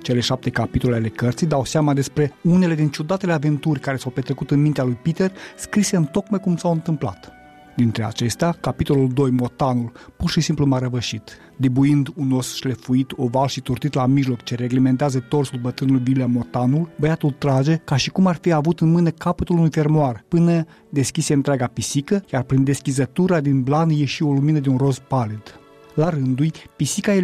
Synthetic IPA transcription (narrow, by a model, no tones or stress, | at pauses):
t͡ʃe̞le̞ʃap̚t̪e̞kapit̪o̞leale̞kərt̪sid̪awsamad̪e̞spɾe̞une̞le̞d̪int͡ʃud̪at̪e̞leave̞nt̪urʲkaɾe̞sawpe̞t̪ɾe̞kut̪ɨnmint̪ealujpit̪e̞rskɾiseɨnt̪o̞kmajkumsawɨnt̪ɨmpla̰t̪ | d̪int̪ɾe̞a̰t͡ʃe̞st̪eakapit̪o̞luld̪o̞jmo̞t̪anulpurʃisimplumaɾəvəʃit̪ | d̪ibuind̪uno̞sʃle̞fuit̪o̞valʃit̪urt̪it̪lamiʒlo̞kt͡ʃe̞ɾe̞ɡlement̪eazət̪o̞rsulbət̪ɾɨnulujvileamo̞t̪anulbəjat̪ult̪ɾad͡ʒe̞kaʃikumarfiavut̪ɨnmɨnəkapət̪ulunujfe̞rmoarpɨnə | d̪e̞skʲiseɨnt̪ɾʲeaɡapisikəjarpɾind̪e̞skʲizət̪uɾad̪inblanje̞ʃio̞luminəd̪eunro̞spalid̪̥ | laɾɨnd̪ujpisikae